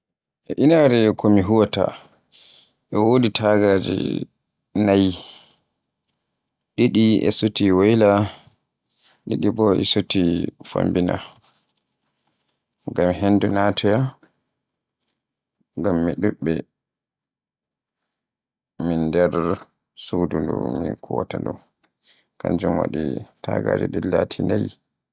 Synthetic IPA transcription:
ʔɛʔinaɾɛkʰɔmiɦuwɔta̰ | ʔɛwoditʰaɡad͡ʒḭ | naj | ɗiɗiɛ̰sotiwajla | ɗiɗibɔʔɛ̰sotifa̰mbina̰ | ŋɡamɦendunatʰɛja | ŋɡamːiɗuɓːɛ | mindɛɾ | sudundṵmikʰuwatadṵ | kand͡ʒumwa̰ɗitaɡad͡ʒɛɗilatʰinaj

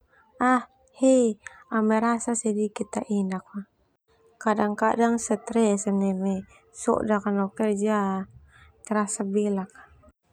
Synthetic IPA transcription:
ah | hɛamɛɾasasɛdikit̪aʔinak̚ma | kadaŋkadaŋsɛt̪ɾɛsanɛmɛ | sɔ̰ʔdakanɔkɛrd͡ʒa | t̪ɛɾasabilakḁ

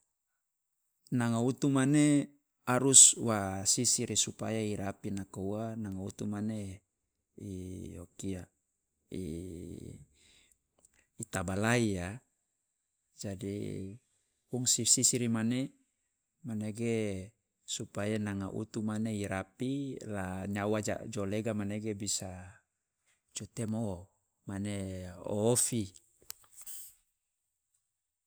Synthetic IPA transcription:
naŋaut̪umane | aɾuswasisiɾisupa̰jaiɾapinakauanaŋaut̪umane | ijokia | ḭ | t̪abalaia | d͡ʒadḭ | kuŋsisisiɾimane | maneɡe | supajanaŋaʔṵt̪umaneiɾapilaɲawad͡ʒa̰d͡ʒoleɡamaneɡebisa | d͡ʒut̪emo | maneo̰ːfi

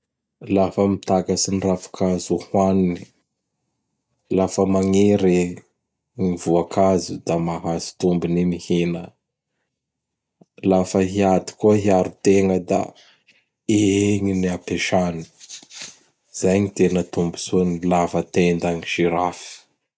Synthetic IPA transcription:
lafəmit̪akəsinirafḁkazuhwanni̥ | lafəmaŋeɾe | ŋivuakazud̪amaɦazi̥t̪umbinimihinə | lafəɦiad̪i̥kuəɦiaɾut̪eŋəd̪a̰ | eeŋiniapeʃani̥ | z̥ajɲit̪enət̪umbu̥sunilafət̪end̪aŋiʃiɾafi̥

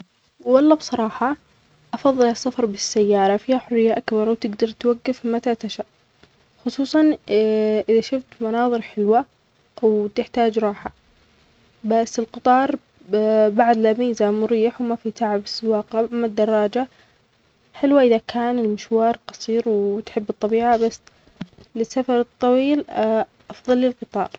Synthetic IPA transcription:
wɑlˤːɑːbsˤɑɾˤɑːħɑ | ʔɑfɑðˤːɨlasːafɑɾˤbɪsːajːɑːɾˤɑfiːhaħʊrːɪjːaʔakbɑɾˤwt̪ɪɡd̪ɑɾˤt̪waɡːafmat̪at̪aʃaʔ | xʊsˤuːsˤɑn | ʔɪðaʃʊft̪mɑnɑːðˤɨɾħɪlwa | wt̪ɪħt̪aːd͡ʒɾˤɑːħa | basːɪlqɨt̪ˤɑːɾˤ | baʕd̪lamiːzamʊɾiːħwmafit̪aʕabsɪwaːqʔamːad̪ːɑrˤːɑːd͡ʒa | ħɪlwaʔɪðakʰaːnɪlmɪʃwɑːɾˤqɑsˤiːɾwt̪ħɪbːɨt̪ˤːɑbiːʕabasː | lɪsːafɑɾˤɨt̪ˤːɑwiːlʔɑfðˤɑlːɪlqɨt̪ˤɑ̰ːɾˤ

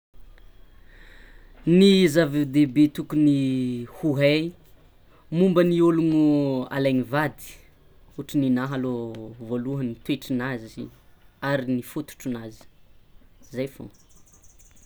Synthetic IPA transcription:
nizavid̪ebet̪ukunihuɦe | mumbənioluŋua̰lajɲivad̪i̥ | uʈ͡ʂininaɦalovoluɦənit̪weʈ͡ʂinaziaɾinifut̪u̥ʈ͡ʂunazi̥ | zajfo̰

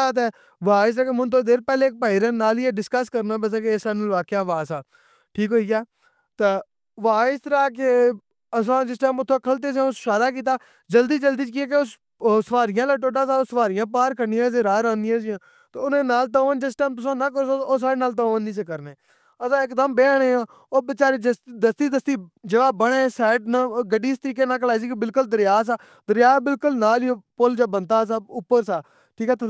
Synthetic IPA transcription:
aːt̪̬ɛː | ʋaːɪsaːkemʊnt̪̬oːd̪eːɾpɛːleːk̚paːiːɾənaːleːɖɪskəskəɾnaːbɛːsãːkesaːnũːʋaːkejãːʋaːsaː | ʈʰiːkɦoːiːaː | t̪e | ʋaːsəɾaːke | əs̬ãːd͡ʒɪs̬ʈɛːmʊt̪ʰːãːkʰəlt̪̬eːs̬ẽʊsʃaːɾaːk̬iːt̪̬aː | d͡ʒəld̪iːd͡ʒəld̪iːkiaːk̬eʊs | səʋaːɾɪjãːlaːʈoːʈaːsãːsəʋaːɾɪjãːp̬aːɾkənɪjãːs̬ẽːɾaːɾãːnd̪ɪjãːzɪjãː | t̪eːʊnẽːnaːlt̪oːʋənd͡ʒɪsʈɛːmpəsõːnaːkəɾosooːsaːɽeːnaːlt̪oːʋənniːs̬ekəɾneː | əsãːɪkd̪əmbeːɽ̃eːãː | oːbɪt͡ʃaːɾeːd͡ʒəsd̪əst̪iːd̪əst̪iːd͡ʒəʋaːbəɽ̃ẽːsɛːʈ̚naːɡəɖiːst̪əɾiːkeːnaːklaːis̬iːkbɪlkʊld̪əɾɪjaːs̬aː | d̪əɾjaːbɪlkʊlnaːliopʊld͡ʒaːbənt̪aːs̬aːʊpːəɾsaː | ʈʰiːkaːt̪

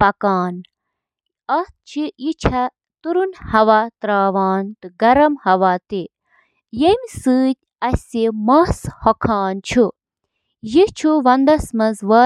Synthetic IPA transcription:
pɐkaːn | ɐt̪̚t͡ʃʰijit͡ʃʰɐ | t̪uɾunhɐʋat̪ɾaːʋaːnt̪ɨɡɐɾɐmhɐʋat̪i | jemʲsɨːt̚ʲ | ɐsʲsemɐshɔkʰaːnt͡ʃʰu | jit͡ʃʰuʋɐnd̪ɐsmɐzʋɐ

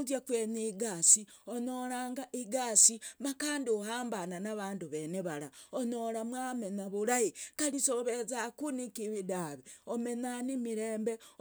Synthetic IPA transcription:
zjakweɲiɡasionoɾaːŋɡaʔiɡaːsimakaːndiohaːmbananaβaːnduβeneβaɾaonoɾamwamenaβuɾahikalisoβezakunikiβidaβeomenanimiɾeːmbe

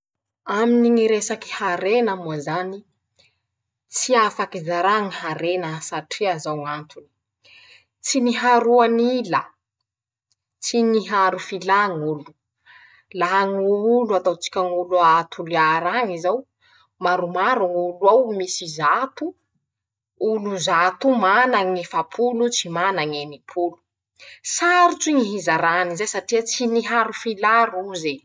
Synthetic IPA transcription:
aminiŋiɾesaki̥haɾenamuazani | t͡siafakizaɾaŋiɦaɾenəsaʈ͡ʂiazawŋant̪uni̥ | t͡siniɦaɾuanilə | t͡siniɦaɾufilaŋulu̥ | laɦaŋuluat̪awt͡si̥kʲaŋuluat̪ʰuliaɾaŋizaw | maɾumaɾaŋuluawmisizat̪u | uluzat̪umanaŋefapʰulut͡simanaŋenipʰulu̥ | saɾiʈ͡ʂiŋiɦizaɾanizesaʈ͡ʂiət͡siniɦaɾufilaɾuze

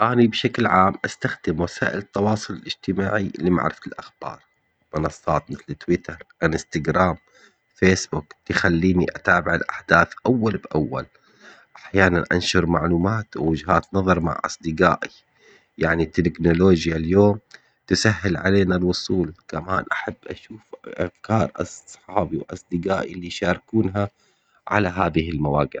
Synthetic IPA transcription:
ʔaːnibʃaklʕaːmʔast̪axd̪ɪmwasa̰ːʔɪlɨt̪ːɑwɑːsˤʊlɪlʔɪd͡ʒt̪ɪmaːʕilima̰ʕɾɪft̪ɪlʔaxb̥ɑ̰ːɾˤ | mʊnɑsˤːɑːt̪mɪθlt̪wɪt̪ɑɾˤʔɪnɪst̪aɡɾaːm | feːsbʊkt̪ɪxalːiːniʔat̪aːbɪʕɪlʔaħd̪aːθʔawːalbʔawːa̰l | ʔaħjaːnanʔa̰nʃʊɾˤmaʕluːmaːt̪wwʊd͡ʒɦaːt̪nɑðˤɑɾˤma̰ʕʔɑ̰sˤd̪ɪɡa̰ːʔi | jaʕnit̪ːɪknʊloːd͡ʒjaljoːm | t̪ɪsaɦːɪlʕa̰leːnalwʊsˤuːlkamaːnʔaħabːʔaʃuːfʔakɑːɾˤʔɑsˤħɑːbiwʔɑ̰sˤd̪ɪɡaːʔilijʃɑːɾkuːnɦa | ʕa̰laɦaːðɪhɪlmawaːɡɪ

